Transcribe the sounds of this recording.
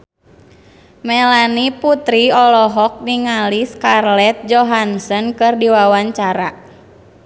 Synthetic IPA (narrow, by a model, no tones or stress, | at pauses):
mɛlaniput̪ɾiɔlɔɦɔk̚niŋaliskarlɛt̪̚d͡ʒɔɦansənkɨrdiwawaɲt͡ʃaɾa̰